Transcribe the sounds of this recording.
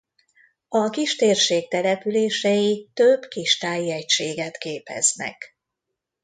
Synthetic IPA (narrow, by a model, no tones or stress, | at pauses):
ɒkiʃt̪eːrʃeːk̚t̪ɛlɛpyleːʃɛjit̪øbkiʃt̪aːjiɛcʃeːɡɛt̪keːpɛ̰znɛ̰k